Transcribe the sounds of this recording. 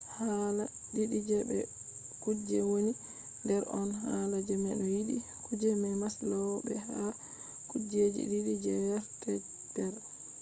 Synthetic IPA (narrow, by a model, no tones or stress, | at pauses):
hala | ɗiɗid͡ʒɛbɛ̰ | kud͡ʒɛwoni | ndɛɾɔnhalad͡ʒɛmɛɗɔjiɗikud͡ʒɛmɛmaslawbɛha | kud͡ʒed͡ʒḭɗiɗid͡ʒɛjaɾtɛ | d̥ɛɾ